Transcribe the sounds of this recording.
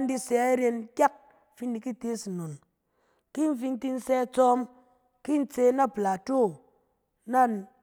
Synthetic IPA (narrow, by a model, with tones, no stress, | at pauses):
n̩˦di˧sɛ˧˦ɾe˧n˦kʲa˦˨k̚ | fi˦ndi˧ki˦te˦si˨no˨n | ki˦n̩˦fi˧n˦ti˧n̩˦sɛː˧˦t͡sɔ˦m | ki˦n̩˦t͡se˧na˦˨pla˨to˦˨ | na˦